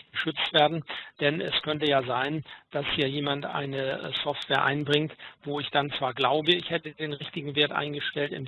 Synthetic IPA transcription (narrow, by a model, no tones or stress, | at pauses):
əʃʏt͡stv̥eːɐdn̩d̥ɛnʔɛ̰skʰœntəjaːzaɪnd̥ashiːɐjeːmantʔa̰ɪnəsɔftv̥eːɐʔa̰ɪnbʁɪŋtv̥oːɪçd̥ant͡sv̥aːɐɡlaʊbəɪçhɛtədeːnʁɪçtɪɡŋ̩veːɐtʔa̰ɪnɡəʃtɛltɪ̰n